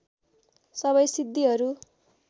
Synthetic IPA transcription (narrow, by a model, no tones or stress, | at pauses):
sʌβʌjsid̪ːiɦʌɾu